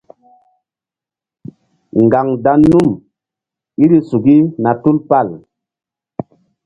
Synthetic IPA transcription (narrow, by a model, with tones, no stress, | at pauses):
ŋɡa˨ŋda˦nːu˦m | i˦ɾi˦su˨ɡi˦na˨tu˦lpa˦˨l